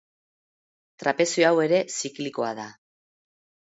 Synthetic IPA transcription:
t̪ɾape̞sioawe̞ɾe̞sikliko̞aða

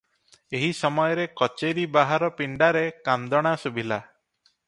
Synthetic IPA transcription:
eɦisɔmɔjɔɾekɔt͡ʃeɾibaɦaɾɔpiɳɖaɾekand̪ɔɽ̃asubʱila

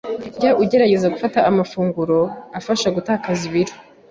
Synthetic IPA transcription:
ɟaʔuɟe̞ɾaɟe̞zaɡufataːmafuːŋɡuɾo̞afaʃaɡutahakaziβiɾo̥

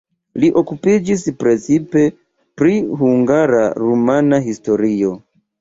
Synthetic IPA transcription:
liʔo̞kupid͡ʒispɾe̞t͡sipe̞ | pɾiɦuŋɡaɾa̰ɾumanaɦisto̞ɾio̞

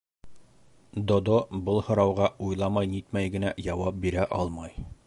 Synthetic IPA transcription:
d̪od̪obɤlˠhŏɾɑwʁɑujlˠɑmɑjnit̪mæjɡɘ̆næjɑwɑp̚biɾæʔɒlˠmɑj

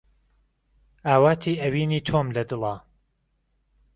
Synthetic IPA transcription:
ʔaːwaːt̪ʰiːʔɐwiːniːt̪ʰoːmlɐd̪ɨlˠaː

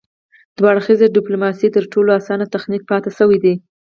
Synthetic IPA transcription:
d̪̥wɑɽxizeɖɪplomɑsit̪əɾʈoloasɑnat̪axnik̚pɑt̪asəwid̪i

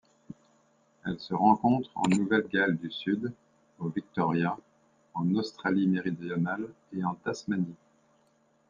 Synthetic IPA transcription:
ɛlsəʁɑ̃kɔ̃t̪χɑ̰̃nuvɛlɡʲald̪ysyd̪ | ovik̚t̪ɔʁja | ɑ̃nost̪χalimeʁid̪jɔnal | eɑ̃t̪asmani

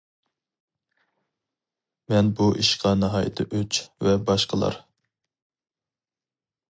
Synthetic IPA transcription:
mɛnbuʔiʃqɑneɦɑːjɪ̰t̪ʰɪʔøt͡ʃvɛbɑʃqʰəlˠɑ̰ɾ

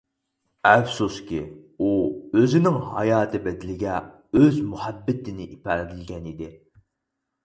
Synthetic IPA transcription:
ɛfsuskʲi | uøzɪnɪŋɦɑjɑːt̪ʰɨbɛd̪ɪlɪɡʲɛ | øzmuhæbːɪt̪ɪnɪʔipʰæɾd̪ɪlɡʲɛnid̪ɪ

